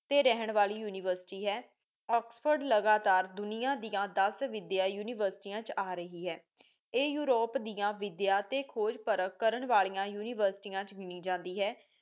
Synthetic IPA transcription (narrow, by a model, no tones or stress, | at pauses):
t̪eːɾɛɦəɳʋaːliːjuːnɪʋəɾsɪ̥ʈiːɦɛː | ɔːkspʰəɾɖləɡaːt̪aːɾd̪ʊnɪjãːd̪ijãːd̪əsʋɪd̪jaːjuːnɪʋəɾsɪ̥ʈiːãːt͡ʃaːɾəɦiːɦɛː | eːjuːɾoːpd̪ɪjãːʋɪd̪jaːt̪eːkʰoːd͡ʒpəɾəkːəɾəɳʋaːɭiːãːjuːnɪʋəɾsɪ̥ʈiːãːt͡ʃɡɪnĩːd͡ʒãːnd̪iːɦɛː